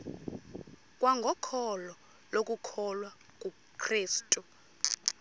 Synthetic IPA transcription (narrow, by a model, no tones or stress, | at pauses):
kʼwaŋɡʱɔkʰɔlɔ | lokʼukʰɔlwa | kʼu | kʰriːstʼu